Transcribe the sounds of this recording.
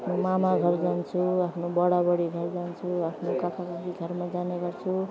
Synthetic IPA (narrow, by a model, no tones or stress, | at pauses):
pʰnomamaɡʱʌrd͡zant͡sʰuapʰnobʌɽabʌɽiɡʱʌrd͡zant͡sʰuapʰnokakakakiɡʱʌrmad͡zaneɡʌrt͡sʰu